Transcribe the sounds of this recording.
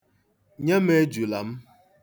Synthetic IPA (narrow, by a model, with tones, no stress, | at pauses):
ɲe˦me˦d͡ʒu˨la˨m̩˦